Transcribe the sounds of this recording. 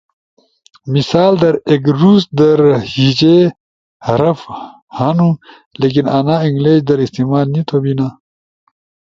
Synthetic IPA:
misaːld̪ɐɾekɾuːsd̪ɐɾhid͡ʑe | hɐɾɐf | hanu | leːk̬inaːnaːiŋɡleːd͡ʑd̪ɐɾist̪imaːlnit̪ʰobina

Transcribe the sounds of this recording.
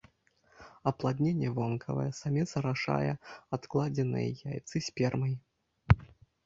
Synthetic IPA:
ɐplˠad̪ʲnʲenʲːɛvɔnkʰɐ̰vɐ̰jɛsamʲɛsɐɾaʂa̰jɛat̪klˠad͡zʲɛnɨ̰jjajt̪sɨsʲpʲɛrmɐj

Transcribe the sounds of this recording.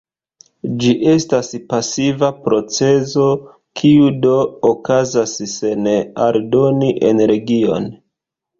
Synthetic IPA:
d͡ʒiʔe̞staspasivapɾo̞t͡se̞zo̞ | kʰiudo̞ːkazasse̞neaɾdo̞niʔe̞nɾe̞ɡio̞̰n

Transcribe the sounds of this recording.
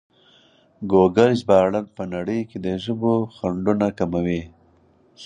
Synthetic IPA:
ɡoɡaɾzbɑːɽanpənaɽəjked̪əʒəboxaɳɖunakamawi

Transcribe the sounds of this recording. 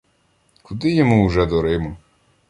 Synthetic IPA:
kʊd̪ɪjɔmuwʒɛd̪ɔɾɪmɔ

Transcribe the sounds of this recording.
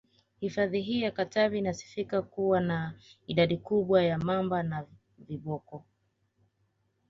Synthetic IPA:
hifaðiɦijakatavinasi̥fikakuwanaiɗaɗikuɓwajamambana | viɓɔkɔ

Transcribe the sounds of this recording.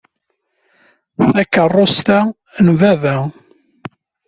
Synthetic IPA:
θækərˤːost̪æ | nvævæ

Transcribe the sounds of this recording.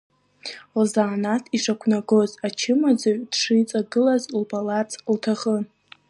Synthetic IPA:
lzaːnatʰiʂakʷʰnaɡozat͡ʃʰɪmad͡zaɥd̥ʂɨjt͡sʼaɡɨlazlbalat͡sʰltʰaχə

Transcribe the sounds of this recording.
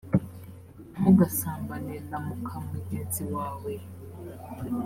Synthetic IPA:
uɡasaːmbanezamukʰamuɲeziwaːwe

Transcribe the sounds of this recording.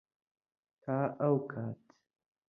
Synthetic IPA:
tʰaːʔawkʰaːtʰ

